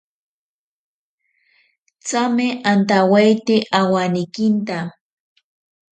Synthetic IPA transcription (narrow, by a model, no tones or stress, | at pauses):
t͡samɪʔant̪awajt̪ɪʔawanɪkɪnt̪a